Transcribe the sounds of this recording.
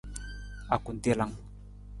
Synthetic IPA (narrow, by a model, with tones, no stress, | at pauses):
a˨ku˨n˨d̪i˦la˦ŋ